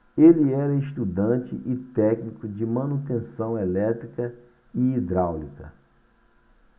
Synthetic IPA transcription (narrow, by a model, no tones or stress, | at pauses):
eliɛɾɐiʃt̪ud̪ɐ̃t͡ʃɪ̰ʔɪt̪ɛknikʊd͡ʒɪmɐ̃nut̪ẽsɐ̃w̃elɛt̪ɾikɐ | iid̪ɾawlikɐ